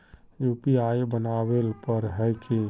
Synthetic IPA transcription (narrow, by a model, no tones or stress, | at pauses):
jupiajbənawelpəɾɦɛjkʰi